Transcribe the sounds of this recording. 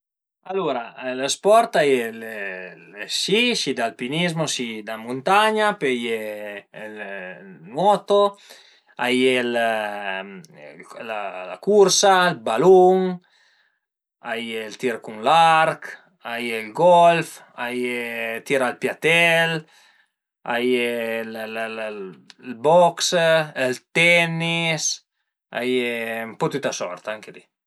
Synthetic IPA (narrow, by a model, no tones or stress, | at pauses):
aloɾalespɔɾt̪ajel | siʃid̪alpinizmosid̪amunt̪aɲapeje | l | mɔt̪o | ajel | lala̰kuɾsaelbaluŋ | ajelt̪iɾkuŋlaɾk | ajelɡɔlf | ajet̪iɾalpjat̪ɛl | ajell | lbɔkselt̪ɛnis | a̰jempot̪ut̪asɔ̰ɾt̪aŋkeli